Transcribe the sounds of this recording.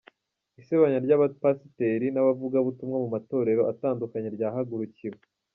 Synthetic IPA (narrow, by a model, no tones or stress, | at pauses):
iseβaɲaɾɟaβapasite̞ɾinaβavuɡaβutumŋamumato̞ːɾe̞ɾo̞ʔataːndukaɲeɾɟaːɦaɡuɾuciwe